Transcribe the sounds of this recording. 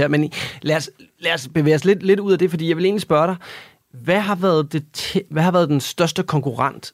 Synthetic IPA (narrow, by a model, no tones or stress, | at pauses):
eɐmenlæɐs | læɐsb̥e̝ʋḛːɐsled̥le̝duð̰ˠæd̥e̝fɒd̥ḭːjɑ̈ʋele̝ːnlisb̥ɶɐɾɑ̈ɪ | ʋæɦɑ̈ʋæːɐð̞̩ˠd̥e̝t͡sʰeʋæhɑ̈ʋæːɐðˠd̥ensd̥ɶɐsd̥əkʰɒ̽ŋkuʁɑ̈n̰d̥